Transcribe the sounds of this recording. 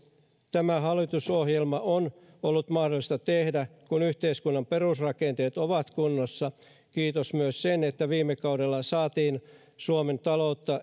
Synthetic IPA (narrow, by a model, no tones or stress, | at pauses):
t̪æmæɦɑlːit̪usohjelmɑʔon | olːut̪mɑhdolist̪ɑt̪ehdækunyht̪eiskunːɑmperusrɑkent̪eːt̪oʋɑt̪kunːosːɑ | kiːt̪osmyøssenet̪ːæʋiːmːekɑudelːɑsɑːt̪iːn | suoment̪ɑlout̪ːɑ